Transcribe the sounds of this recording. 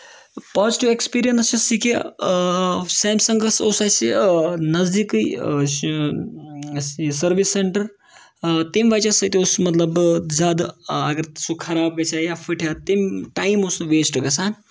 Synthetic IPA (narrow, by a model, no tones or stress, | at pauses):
paːziʈiekspiːɾijɐnst͡ʃisikʰe | seːmsɐŋɡɐsoːsasinɐzd̪ikɨj | sɐɾʋisːeɳʈɐɾ | t̪emʲʋat͡ʃasɐjt̪eoːsmɐt̪lɐbzaːd̪ɐɡɐɾsukʰɐɾaːb̚ɡɐt͡ʃʰajafʰiʈʰjat̪emʈaːimoːsʋeːsʈɨɡɐsaːn